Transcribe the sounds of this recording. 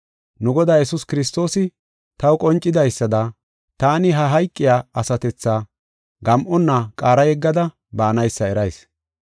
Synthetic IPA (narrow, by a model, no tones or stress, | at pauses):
nʊɡɔd̪aːjɛsʊskɪɾɪs̬t̪o̞ːsɪ | t̪ɐwkʼɔnt͡ʃʼːɪd̪ɐjsːɐd̪ɐ | t̪aːnɪɦɐɦɐjkʼːɪjaːɐsɐt̪ɛt͡sːaː | ɡɐmʔɔnːakʼaːɾɐjɛɡːɐd̪ɐ | baːnɐjsːɐɛɾɐjs